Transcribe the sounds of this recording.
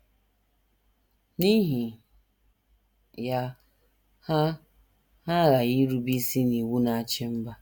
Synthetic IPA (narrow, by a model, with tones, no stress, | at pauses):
ni˦ɦi˨ | ja˦ | ha˦ | ha˦ɾa˨ɣi˦ɾu˦bi˦si˦ni˨wu˦na˦˨a˦t͡ʃɪ˦m̩˦ba˦